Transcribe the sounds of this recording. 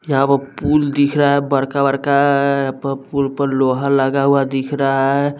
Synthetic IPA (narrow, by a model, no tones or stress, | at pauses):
jəɦãpəɾpuld̪ikʰɾəɦɛbəɾkabəɾkajãpəɾpulpəɾloɦələɡaɦuad̪ikʰɾaaɦɛ